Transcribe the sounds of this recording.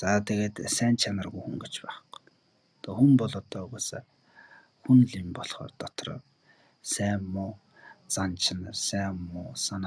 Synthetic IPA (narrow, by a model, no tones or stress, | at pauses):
t͡saːt̪eɣeːt̪sæːnt͡ɕʰanə̆rɣujxuŋɡĕt͡ɕpæːχə̥̆q | t̪ʰɔxumpɔɮɔt̪ɔːɣosa | xunɮiːmpɔɮχɔ̰ːrt̪ɔt̪rɔ̰ː | sæːmːʊː | t͡sant͡ɕʰɪnərsæːmːʊːsan